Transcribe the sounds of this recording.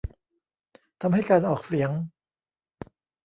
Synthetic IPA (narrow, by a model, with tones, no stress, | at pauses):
t̪ʰa˧mha˥˩jkaː˧nʔɔː˨˩k̚si˩˦əŋ